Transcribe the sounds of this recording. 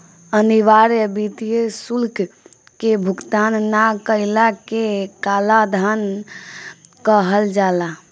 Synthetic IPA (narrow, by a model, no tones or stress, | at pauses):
əniʋaɾəbit̪ijesulk | kebʱukt̪anːakəɪlakekalad̪ʱan | kəɦəld͡ʒala